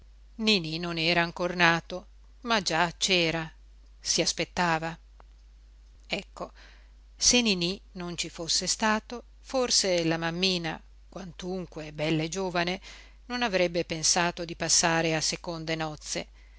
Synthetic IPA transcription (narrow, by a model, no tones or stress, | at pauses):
nininonɛːɾaːŋkornaːt̪o | mad͡ʒat͡ʃɛːɾa | siaspet̪ːaːva | ɛkːo | senininont͡ʃifosːest̪aːt̪o | forselamamːiːna̰ | kwant̪uŋkwebɛlːed͡ʒoːvane | nonavɾɛbːepensaːt̪od̪ipasːaːɾeasekond̪enɔt̪sːḛ